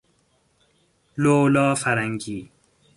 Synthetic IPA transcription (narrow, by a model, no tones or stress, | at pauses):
loːlɔːfɐɾɐŋɡiː